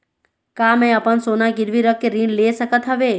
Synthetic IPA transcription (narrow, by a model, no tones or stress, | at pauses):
kamẽəpənsonaɡɪɾʋiɾəkːeɾĩɳɖleːsəkət̪ɦəʋe